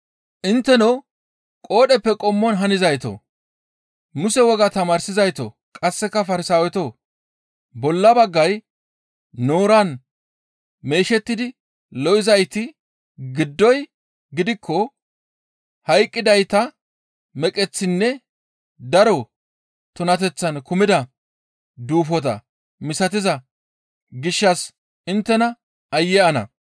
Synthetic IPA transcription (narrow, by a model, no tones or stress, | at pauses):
ʔɪnt̪ːɛno | kʼoːɗɛpːɛkʼɔmːɔnɦɐnɪzɐjt̪o̰ | mʊsɛwɔɡɐt̪ɐmaːɾsɪzɐjt̪o̰ | kʼɐsːɛkːɐfɐɾɪsaːwɛt̪oː | bɔlːɐbɐɡːɐj | no̞ːɾɐn | me̞ːʃɛt̪ːɪd̪ɪ | lɔʔɪzɐjt̪ɪ | ɡɪd̪ːɔj | ɡɪd̪ɪkʰːɔ | hɐjkʼːɪd̪ɐjt̪ɐ | mɛkʼɛt͡sːɪnːɛ | d̪ɐɾɔ | t̪ʊnɐt̪̬ɛt͡sːɐnkʊmɪd̪ɐ | d̪uːfɔt̪̬ɐ̰ | mɪsɐt̪̬ɪzɐ | ɡɪʃːɐs | ɪnt̪ːɛnɐ | ɐjːɛɐnɐ̰